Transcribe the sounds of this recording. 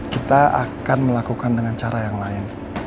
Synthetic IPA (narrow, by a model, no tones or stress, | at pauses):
kit̪aa̰kanməlakukandəŋant͡ʃaɾajaŋlaɪn